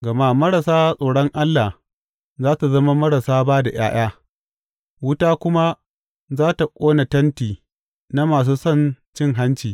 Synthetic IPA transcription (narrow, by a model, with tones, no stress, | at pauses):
ɡɐ˨ma˦mɐ˦ɽa˨saː˦sʼoː˨ɽɔ˦ŋʔa˦lːa˨h | zaː˦ta˨zɐ˦ma˦mɐ˦ɽa˨saː˦baː˦da˨j̰aː˦j̰aː˦ | wʊ˦taː˦kʷʊ˦ma˦ | zaː˦ta˨kʷʼoː˦na˨tɐ˦ntiː˨ | na˦maː˨s̬uː˦sɔ˦˨n | t͡ʃɪ˦ŋɦa˦nt͡ʃiː˨